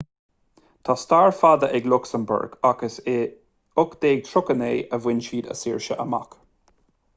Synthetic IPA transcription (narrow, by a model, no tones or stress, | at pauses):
t̪ʰast̪aːɹfad̪əʔɛɡlʊksəmbʊ̰ɹɡ̥aɡəse | ʊkd̪̥eːɡ̚t̪ʰɹʊkəneːʔəvwɪnʃiːd̪ə̰siːɹʃəʔəma̰k